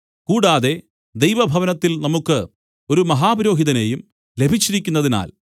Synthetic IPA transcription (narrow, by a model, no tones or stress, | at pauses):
kuːɽaːðe̞ | d̪ejʋɐbʱɐʋɐnɐt̪ːilnɐmukːɨ | o̞ɾumɐɦaːbɐɾo̞ːɦiðɐne̞jum | le̞bʱit͡ɕːiɾikʲːunːɐðina̰ːl